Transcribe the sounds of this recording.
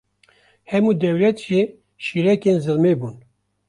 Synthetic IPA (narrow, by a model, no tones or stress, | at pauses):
hɛmuːd̪ɛwlɛt̪ʒi | ʃiːɾɛkeːnzɨlmeːbuːn